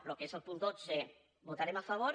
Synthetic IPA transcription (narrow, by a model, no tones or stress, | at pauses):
lokezelˠpund̪oze | bot̪aɾemafaβ̞o